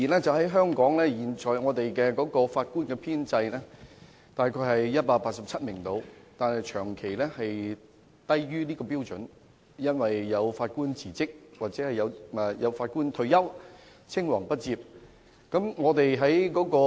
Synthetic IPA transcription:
iː˨˩lɛ˥t͡sɐ˨wɦɐ˨˥jɦœː˥ŋkɔː˨˥ŋlɛː˥jiː˨˩nt͡ʃɔː˨˩jŋɔː˨˧t̪e˨jkɛː˧kɔː˨˥kɔː˧faː˧t̚kuː˥nkɛ˧pʰiː˥nt͡sɐ˧jlɛː˥ | t̪aː˨jkʰɔː˧hɐ˨jjɐ˥t̚paː˧k̚paː˧t̚sɐ˨p̚t͡sʰɐ˥t̚mɪ˨˩ŋt̪o˨˧wt̪aː˨nhɐ˨jt͡ʃʰœː˨˩ŋkʰe˨˩jlɛː˥hɐ˨j | t̪ɐ˥jjyː˥niː˥kɔː˧piː˥wt͡sɵ̰˨˥n | jɐ˥nwɐ˨jːɐ˨˧wfaː˧t̚kuː˥nt͡siː˨˩t͡sɪ˥k̚waː˨˩t͡sɛː˨˥hɐ˨jɐ˨˧wɛ˨˩jɐ˨˧wfaː˧t̚kuː˥nt̪ʰɵ˧ɥjɐ˥w | t͡sʰɪ˥ŋwɐː˨˩ŋpɐ˥t̚t͡siː˧p̚ | kɐ˨˥mŋɔː˨˧t̪e˨jɦɐ˨˥jkɔː˨˥kɔː˧

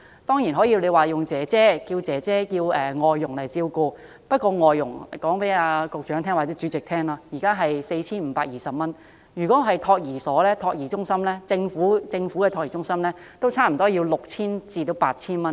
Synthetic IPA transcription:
t̪ɔː˥ŋjiː˨˩nɦɔ˨˥jiː˧wle˨˧jwaː˨˩jʊ˨˩ŋt͡sɛː˨˥t͡sɛː˥kiː˧wt͡sɛː˨˥t͡sɛː˥ji˧wɛː˨˩ŋɔː˨jːʊ˨˩ŋlɐ˨˩jt͡siː˧wkuː˧ | pɐ˥t̚kɔː˧ŋɔː˨jːʊ˨˩ŋkɔː˨˥ŋpe˨˥jaː˧kʊ˨˧k̚t͡ʃœː˨˥ŋt̪ʰɛ˥ŋwaː˨˩t͡sɛː˨˥t͡ʃyː˨˥t͡sɪ˨k̚t̪ʰɛː˥ŋlaː˧jiː˨˩kaː˥ɦɐ˨jse˧jt͡sʰiː˥nm̩ː˨˧˥paː˧k̚jiː˨˩sɐ˨p̚mɐ˥n | y˨˩kɔː˨˥ɦɐ˨jt̪ʰɔː˧k̚jiː˨˩sɔː˨˥lɛː˥t̪ʰɔː˧k̚jiː˨˩t͡sʊ˥ŋsɐ˥mlɛː˥t͡sɪ˧ŋfuː˨˥t͡sɪ˧ŋfuː˨˥kɛ˧tʰɔː˧k̚ji˨˩t͡sʊ˥ŋsɐ˥mlɛː˥ | t̪o˥wt͡sʰaː˥m̩˨˩t̪ɔː˥ji˧wlʊ˨k̚t͡sʰiː˥nt͡siː˧t̪o˨˧˥wpaː˧t̚t͡sʰiː˥nmɐ˥n

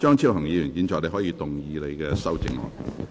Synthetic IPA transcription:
t͡ʃœː˥ŋt͡sʰi˥wɦɐ˨˩ŋjiː˨˧jyː˨˩njiː˨˧nt͡ʃɔː˨kle˧ɦɔː˨˥jiː˧t̪ʊ˨ŋjiː˨˧le˨˧jkɛː˧sɐ˥wt͡sɪ̰˧ŋlɔ̰ː˨n

